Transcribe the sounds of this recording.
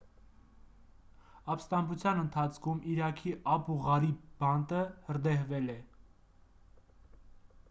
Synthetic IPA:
ɑpst̪ɑmbut͡sʰjɑnənt̪ʰɑt͡sʰkʰumʔiɾɑkʰiʔɑpuʁɑɾib̥ɑnt̪əhəɾd̪ɛhvɛlɛ

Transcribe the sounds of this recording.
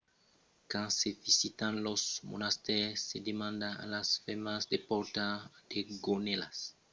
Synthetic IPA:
kãnsevisit̪ãnlosmo̰nast̪ɛsːed̪emãnd̪ãa̰lasfɛmasd̪epɔɾt̪ad̪̥eɡonelas

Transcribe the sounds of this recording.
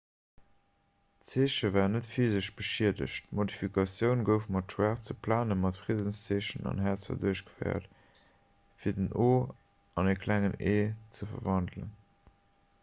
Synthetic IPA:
t͡seːʃəvæːʁnətfiːzəʃb̥əʃiədə̰ʃtmodifikʰɑsjəʊnɡəʊfmɑtʃwæːχt͡səpʰlaːnəmɑtfʁiədənst͡seːʃənɑ̰nɦæːɐt͡sɐ̰duəɕɡəfɜ̰ɪɐ̰t | fiːɐdənʔoː | ɑnekʰlæŋəneːt͡səfɐ̰vɑndlə̰n

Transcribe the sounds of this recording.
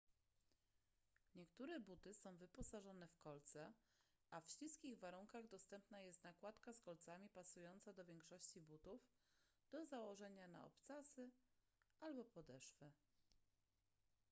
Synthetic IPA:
ɲɛkt̪uɾɛbut̪ɘsɔ̃w̃vɘpɔsaʐɔnɛfkɔlt̪sɛ | afɕliskʲiɣvaɾuŋkaɣd̪ɔst̪ɛmpnajɛst̪nakwat̪kaskɔlt̪samʲipasujɔnt̪sad̪ɔvʲjɛŋkʂɔɕt͡ɕibut̪uf | d̪̥ɔzawɔʐɛɲana̰ɔ̰pt̪sasɘ | ʔalbɔpɔd̪ɛʂfɘ

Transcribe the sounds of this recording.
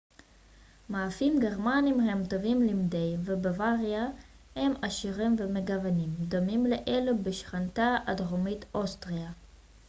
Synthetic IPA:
maːfimɡeʁmanimhe̞mt̪ovimlimd̪e̞jvebavaʁja | hemaʃiʁimvemeɡavanimd̪omimleʔelubeʃχant̪aʔadʁomit̪ʔost̪ʁia

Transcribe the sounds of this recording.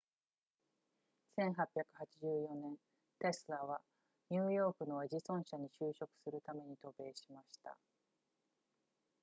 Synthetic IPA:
sẽ̞ɰ̃ɦapʲjakɯ̟hat͡ɕiʑɨːjo̞nẽ̞n | t̪e̞sɨɾaβa | ɲɨːjo̞ːkɯ̟no̞eʑisõ̞ɰ̃ɕaɲ̟iɕɨːɕo̞kɯ̥sɨɾɯ̟t̪ame̞ɲ̟it̪o̞be̞ːɕimaɕi̥t̪a̰

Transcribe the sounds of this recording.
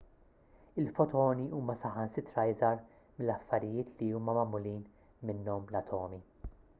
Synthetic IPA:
ɪlfɔt̪ɔːniʔuːmɐsɐħɐnsɪt̪ɾɐjzɐɾ | mɪlːɐfːɐɾɪjɪːt̪ʰliuːmɐmɐmːʊliːn | mɪnːɔmlɐt̪ʰɔːmi

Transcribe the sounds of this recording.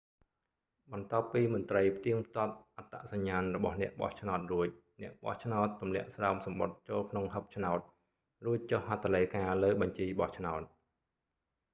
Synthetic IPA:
ɓɑnt̪ŏəpːiːmʊ̆ənt̪rəjpʰt̪iəŋpʰt̪ŏət̪̚ʔat̪ːaʔsaɲːaːnrɔɓɑhnɛ̆əʔɓɑ̰ht͡ɕʰnaɔt̪̚ruəc̚ | nɛ̆əʔɓɑ̰ht͡ɕʰnaɔt̪ːumlɛ̆əʔsraɔmsɑmɓot̪̚t͡ɕoːlkʰnoŋɦəp̚t͡ɕʰnaɔt̪̚ | ruəc̚t͡ɕohɦat̪ːaləjkaːləːɓɑɲt͡ɕiːɓɑht͡ɕʰnaɔt̪̚

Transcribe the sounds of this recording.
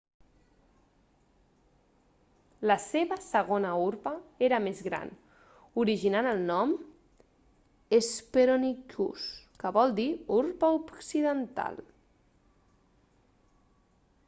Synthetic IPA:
ləseβəsəɣ̞onəuɾpəeɾəmezɣɾa̰n | uɾiʒinanəlˠnɔm | espeɾonikṵskəβɔlˠd̪iuɾpəupsiðənt̪a̰l

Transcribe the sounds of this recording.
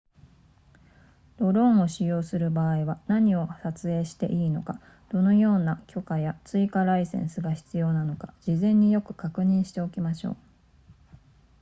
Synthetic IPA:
d̪̥o̞ɾõ̞ɰ̃o̞ɕijo̞ːsɨɾɯ̟baːiβanaɲ̟io̞sat͡sɨe̞ːɕi̥t̪e̞̰ʔiːno̞̰ka | d̪̥o̞no̞jo̞ːnakʲo̞kajat͡sɨikaɾaisẽ̞̰ɰ̃sɨɡaçi̥t͡sɨjo̞ːnano̞kad͡ʑ̥izẽ̞ɲ̟ːijo̞kɯ̟̥kakɯ̟ɲ̟ĩɰ̃ɕi̥t̪e̞o̞kʲimaɕo̞̰ː

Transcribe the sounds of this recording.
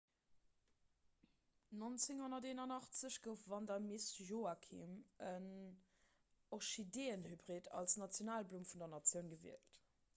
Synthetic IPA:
nont͡sɪŋhonɐteːnɐnɑχt͡səɕɡ̥əʊfvɑndɑmisjoakʰḭmən | oχʃideːənhybʁidɑ̰lsnɑt͡sjonaːlblumfundɐnɑt͡sjəʊnɡəvḭəlt

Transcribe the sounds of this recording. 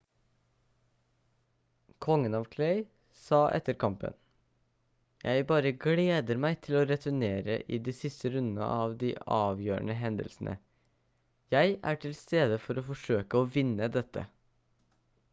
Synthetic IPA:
kʰɔŋːənɑʋkʰlɛɪ | sɑːʔɛ̰t̪ːəɾkʰɑmpə̰n | jʔæɪbɑːɾəɡleːd̪əɾmæɪt̪ʰɪloɾɛt̪ʉɳeːɾə̰ʔid̪iːsɪst̪əɾʉnd̪nə̰ʔɑːʋd̪iːʔɑːʋjøːɳəɦɛnd̪ə̰lsn̩ʔə̰ | jæɪʔæʈʰɪlst̪eːd̪əfɔɾoːfɔʂøːkəoːʋɪnːəd̪ɛt̪ʰːə̰

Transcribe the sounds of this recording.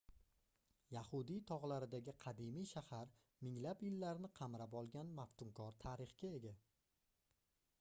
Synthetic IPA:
jahʊd̪ijt̪ʰɒʁlˠaɾɪd̪aɡʲɪqʰɑd̪imijʃahaɾ | mɪŋlapjɪlːaɾnɪqʰɑmɾapɒlˠɡʲanmaft̪ʊŋkʰɒɾt̪ʰaɾɪχkʲae̞ɡʲa

